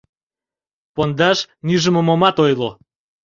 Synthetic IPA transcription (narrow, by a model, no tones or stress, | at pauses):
pond̪ɑʃnyʒə̆mŏmomɑt̪ojlo